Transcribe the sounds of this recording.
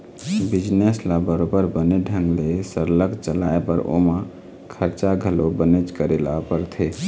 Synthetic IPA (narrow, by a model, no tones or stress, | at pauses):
bid͡ʒneslabəɾobəɾbəneɖʱə̃ŋɡlesəɾləkt͡ʃəlaebə̰ɾo̰mã | kʰəɾt͡ʃaɡʱəlobənet͡ʃkəɾelapəɾt̪ʰe